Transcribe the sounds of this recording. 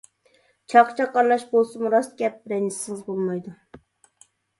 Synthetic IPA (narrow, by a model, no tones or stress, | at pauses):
t͡ʃʰɑqt͡ʃʰɑqːɑɾlˠɑʃbolˠsɨmuɾɑsɡʲɛp̚ɾɛnɪsɪŋɨzbolˠmɑjd̪u